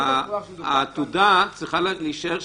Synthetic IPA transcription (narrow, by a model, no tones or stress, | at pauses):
at̪ud̪at͡sʁiχalliʃeʁ